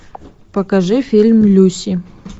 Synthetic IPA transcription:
pɐkɐʐɨfilʲmlʲusi

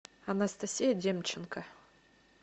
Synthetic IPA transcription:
ɐnɐst̪ɐsʲijɐdʲemt͡ɕːɪnkə

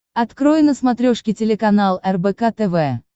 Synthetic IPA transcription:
ɐt̪kɾojɪnəsmɐt̪ɾʲoʂkʲɪtʲɪlʲɪkɐnalˠɛrbɛkat̪ɛvɛ

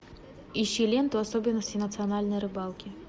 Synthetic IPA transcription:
iɕilʲɛnt̪uasɔbʲɪnːɐsʲtʲinɐt̪sɨjanalʲnɐjɾɨbalˠkʲi

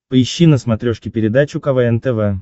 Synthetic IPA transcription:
pəɪɕːinəsmɐt̪ɾʲoʂkʲɪpʲɪɾʲɪd̪at͡ɕʊkɐvɛɛnt̪ɛvɛ

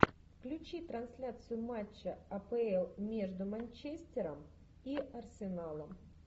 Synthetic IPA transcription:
fklʲʉt͡ɕit̪ɾɐnsʲlʲat̪sɨjʊmat͡ɕːɐɐpɛɛlˠmʲeʐd̪ʊmɐnʲt͡ɕesʲt̪ʲɪɾəm | iʔɐrsʲɪnalˠəm

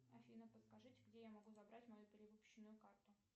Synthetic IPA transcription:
ɐfʲinəpəskɐʐɨtʲɡdʲejamɐɡuzɐbɾatʲmɐjupʲɪɾʲɪvɨpʊ̥ɕːɪnːʊjʊkart̪ʊ

